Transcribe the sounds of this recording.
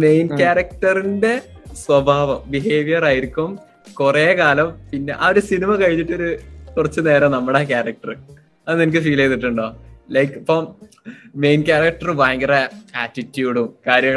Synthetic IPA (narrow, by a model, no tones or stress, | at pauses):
me̞jnkʲaːɾɐk̚ʈɐrinde̞ | swɐbʱaːʋɐmbiɦeːʋijɐraːjiɾikʲːum | kureːkaːlɐmpinːe̞ʔɐʋɐɾusinimɐkɐɻiɲːiʈːo̞ɾukurɐt͡ɕːɨne̞ːɾɐnɐmːuɽeːkʲaːrɐk̚ʈɐr | ɐðɨnenik̬ʲːɨfiːlejt̪ːiʈːuɳɖoːlɐjkipːɐm | mejnkaːɾɐk̚ʈɐrbaːŋɡɐrɐaːtːitːjuːɽumkaːɾjɐɳ